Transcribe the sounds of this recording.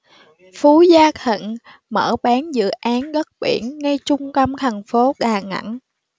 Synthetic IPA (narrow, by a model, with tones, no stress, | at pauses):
fu˨˦zaː˧t̪ʰḭ˧˨n | məː˧˩ɓaː˨˦nzɨ̰˧˨ʔaː˨˦nɣə˦˥t̚ɓḭ˧˩ənːa˧jt͡ɕʊ˧ŋ͡mkə˧wŋ͡mt̪ʰa˨˩nfo˨˦ɗaː˨˩ŋa̰˧˩˥n